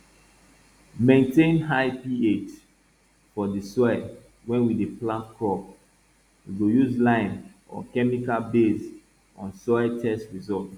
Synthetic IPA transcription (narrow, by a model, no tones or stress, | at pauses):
mẽntẽnɦaɪpiet͡ʃ | fɔdisɔɛ | wɛ̃nwideplãtkʰɔp̚ | wiɡojuzlãɪ̃n | ɔ̰kɛmikalbes | ɔ̰̃nsɔɛtʰɛstɹizɔt